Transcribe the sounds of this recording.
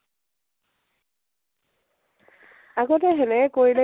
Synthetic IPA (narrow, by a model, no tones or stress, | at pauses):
aɡɔtɛɦɛnɛkoɹilɛ